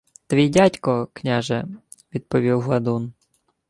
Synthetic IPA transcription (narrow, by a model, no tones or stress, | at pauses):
t̪ʋʲijdʲatʲkɔknʲaʒɛ | ʋʲid̪̚pɔʋʲiwɦlˠɐd̪un